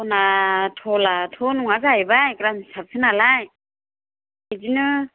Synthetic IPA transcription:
ɔnatʰɔlatʰɔnuŋazajbajkɾamsap̚sʰɯnalaj | ajd͡ʒinɯ

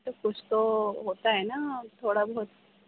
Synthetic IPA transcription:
t̪əkust̪oɦot̪aenat̪ʰoɽabʱt̪

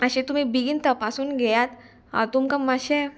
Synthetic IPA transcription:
əɕẽt̪um̤ibiɡint̪əpasuːnɡɛjat̪ | a̰t̪umkəmmːaɕe

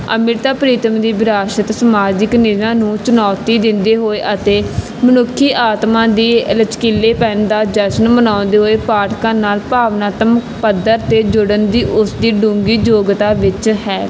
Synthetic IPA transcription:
ə̰mɪɾt̪aːpəɾiːt̪əmd̪iːbɪɾaːʃət̪səmaːd͡ʒɪknɪzãːnũːt͡ʃʊnɔːt̪iːd̪ɪnd̪eːɦoːeːʔət̪eː | mənʊkʰːiːʔaːt̪mãːd̪iːələt͡ʃkɪlːeːpɛːnd̪aːd͡ʒəʃənmənãːnd̪eːɦoːeːpaːʈʰkãːnaːlpaːʋnaːt̪əm | pəd̪ːəɾt̪eːd͡ʒʊɽənd̪iːʔʊsd̪iːɖũːŋɡiːd͡ʒoːɡt̪aːʋɪt͡ʃhɛː

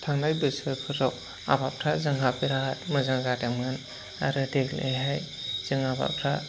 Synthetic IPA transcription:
tʰaŋnajbɯsɯpʰɯɾɔk̚ | a̰bap̚ʰɾazɯŋɦapiɾaat̚mɯzaŋzadamŋan | a̰ɾɯdeklʔḛɦaj | z̥ɯŋaba̰pʰɾa

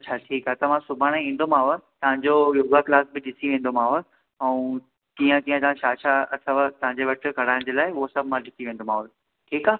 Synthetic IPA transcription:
ɐt͡ɕʰaːʈʰiːkaːt̪ɐʋãsʊbʱaːɽ̃ẽĩːn̆d̪omãːʋət̪ɐʋ̤ãɲd͡ʑojoːɡaklaːsbɪɗɪsiʋẽːn̆d̪om̤ãːʋə | ɛũ | t͡ɕĩːə̃kĩːə̃t̪ɐãʃaːʃaɐsaʋt̪ɐʋ̤ãɲd͡ʑeʋɐʈʰɪ̆kɐɽ̤aːɪ̃d͡ʑeːlaːɪʊɦosɐbʱmãɗɪsiʋẽːnd̪omãːʋ | ʈʰiːkaː

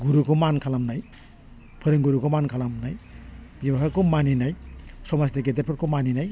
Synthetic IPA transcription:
ɡuɾukʰomankʰalamnaj | pʰɯɾiŋɡuɾukʰomankʰalamnajbibapʰaɾkomaninajsɔmasdeɡeteɾ̚pʰɯɾkʰomaninaj

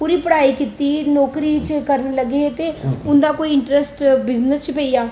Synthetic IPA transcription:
puːɾiːpəɽaːiːkɪt̪iːnɔːkɾiːt͡ʃkəɾnləɡeːt̪eːʊnd̪aːkoːiɪɳʈɾɛsʈbɪznəst͡ʃpeːijaː

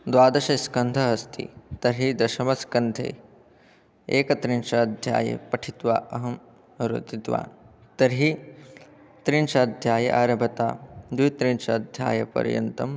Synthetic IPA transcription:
d̪ʋaːd̪ɐʃɐskɐnd̪ʱɐɦɐst̪ʰḭt̪ɐɾɦid̪ɐʃɐmɐskɐnd̪ʱḛː | eːkɐt̪ɾinʃɐːd̪ʱja̰ːjḛpɐʈʰit̪ʋa̰ːʔɐɦɐm | ɾṵt̪it̪ʋa̰ːn | t̪ɐɾɦi | t̪ɾinʃɐɐd̪ʱjaːjɐ̰ʔaːɾɐbʱɐt̪a̰ːd̪ujt̪ɾinʃɐːd̪ʱja̰ːjɐpɐ̰ɾjɐ̰nt̪ɐm

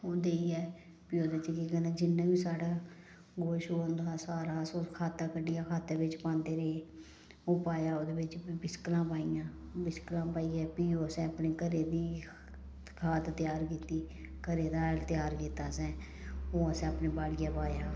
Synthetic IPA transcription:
oːd̪eːiɛː | piːoːd̪aːt͡ʃəkiɡənãːd͡ʒɪnːãːʋiːsaːɽaː | ɡoːʃoːənd̪aːsaːɾaːsoːkʰaːt̪aːkəɖijaːkʰaːt̪aːʋɪt͡ʃpãːnd̪eːɾeeː | oːpaːjaːoːd̪eːʋɪt͡ʃːbɪskəlãːpaːijãːbɪsklãːpaːiːɛːpiːoːəsɛ̃ːəpneːkəɾeːd̪iː | kʰaːt̪t̪ɪjaːɾkiːt̪iː | kəɾeːd̪aːt̪jaːɾkiːt̪aːsɛ̃ː | oːəsẽːəpneːbaːɽijaːpaːjaː

